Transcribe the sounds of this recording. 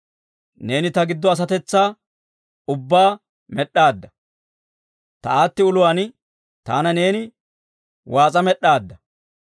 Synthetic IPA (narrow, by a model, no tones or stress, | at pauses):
ne̞ːnɪt̪ɐɡɪd̪ːɔɐs̬ɐt̪ɛt͡sːaː | ʊbːaː | mɛɗːaːd̪ːɐ̥ | t̪ɐaːt̪ːɪʊlʊwan | t̪aːnɐne̞ːnɪ | wʔaːt͡sʼɐmɛɗːaːd̪ːɐ